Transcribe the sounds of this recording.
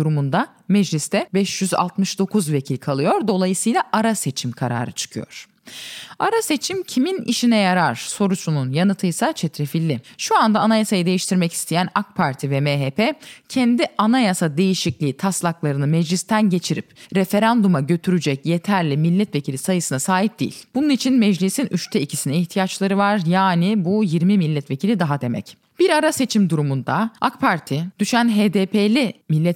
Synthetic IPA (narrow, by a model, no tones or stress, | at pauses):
uɾumund̪a | mɛd͡ʒlʲist̪ɛbɛʃjyza̰lˠt̪mɯʃd̪o̞kʰuzve̞cʰilʲkʰalˠɯjo̞ɾd̪o̞lˠajɯsɯjlˠaʔaɾase̞t͡ʃʰimkʰaɾa̰ːɾɯt͡ʃʰɯ̥kʰɯjo̞̰ɾ̥ | aɾase̞t͡ʃʰimcʰiminḭʃinɛjaɾaɾ̥so̞ɾut͡ʃʰununjanɯt̪ʰɯjsat͡ʃʰɛt̪ɾefilʲːɪʃuand̪aːnajasajɯd̪e̞jiʃt̪ʰiɾmɛci̥st̪ʰejænakpʰaɾt̪ʰivɛmeɦepʰɛcʰɛnd̪iʔanajasad̪e̞jiʃiclʲiːt̪ʰaslˠaklˠaɾɯnɯmɛd͡ʒlʲist̪ʰænɟe̞t͡ʃʰiɾipɾe̞fe̞ɾand̪umaɟø̞t̪ʰyɾyd͡ʒɛcje̞t̪ʰæɾlʲimilʲːɛt̪ve̞cʰilʲisajɯsɯnasaːɦip̚d̪ḭːḭlʲb̥ununit͡ʃʰinmɛd͡ʒlʲisinʔyt͡ʃt̪ʰɛicʰisinɛiçt̪ʰijat͡ʃlˠaɾɯvaɾjaːnibujiɾmimilʲːɛt̪ve̞cʰilʲid̪aɦad̪e̞mɛ̰c | b̥iɾaɾase̞t͡ʃʰimd̪uɾumund̪aakpʰaɾt̪ʰid̪̥yʃænɦeːd̪eːpʰelʲimilʲːɛt̪